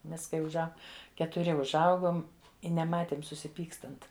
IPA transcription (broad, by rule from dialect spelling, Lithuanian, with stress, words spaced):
ˈmʲɛs kɐɪ ʊʒˈɐʊ kʲɛtʊˈrʲɪ ʊʒˈɐʊɡoːm ɪ nʲɛˈmɑːtʲeːm sʊsʲɪˈpʲiːkstɐnt